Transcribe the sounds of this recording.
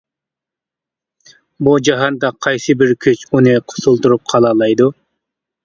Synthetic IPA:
bud͡ʒɑɦɑnd̪ɑqʰɑjsɨbiɾkʲʰøt͡ʃuneqʰʊ̥sulˠt̪uɾup̚qʰɑlˠɑːlˠɑjd̪u

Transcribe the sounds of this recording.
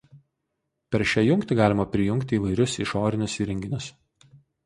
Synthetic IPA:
pʲɛɾʃʲæːjʊŋʲkt̪ʲɪɡɑːlʲɪmɐpʲɾʲɪjʊŋʲkt̪ʲɪːʋɐɪɾʲʊsiʃoːɾʲɪnʲʊsiɾʲɛŋʲɡʲɪnʲʊs

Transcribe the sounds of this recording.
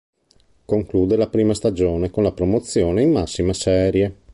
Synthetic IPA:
koŋkluːd̪elapɾiːmast̪ad͡ʒoːnekonlapɾomot̪sːjoːneimːasːimasɛːɾje

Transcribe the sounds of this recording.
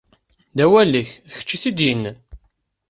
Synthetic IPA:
d̪æwælːiçðəçə̥t͡ʃːiθid̪jinː

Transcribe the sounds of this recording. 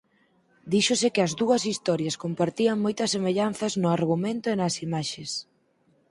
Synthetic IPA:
d̪iʃʊsɪkɪɐzd̪uɐsist̪ɔɾjɐskompaɾt̪iɐŋmojt̪ɐsːemeʎanθɐznʊaɾɣumẽnt̪ʊenɐsimaʃes

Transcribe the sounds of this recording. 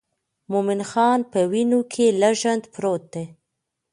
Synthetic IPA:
momɪnxɑnpəwinokʰelaʒand̪pɾot̪̚d̪e

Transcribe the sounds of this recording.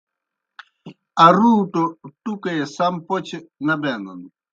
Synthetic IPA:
aɾuːt̪ot̪ukesampɔt͡ʃenabɛnonu

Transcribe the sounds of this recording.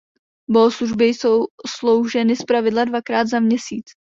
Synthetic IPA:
boosluʒbɪjsowslo̞wʒɛnɪspɾavɪdladvakɾaːd̪zamɲɛsiːt͡s

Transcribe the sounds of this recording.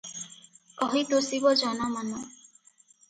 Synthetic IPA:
kɔɦit̪osibɔd͡ʒɔnamanɔ

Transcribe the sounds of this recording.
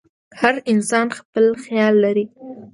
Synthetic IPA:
haɾɪnsɑnxpəlxjɑlːaɾi

